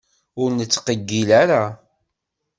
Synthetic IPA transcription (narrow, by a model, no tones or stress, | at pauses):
ʊɾnət͡sːqəɡːilæɾa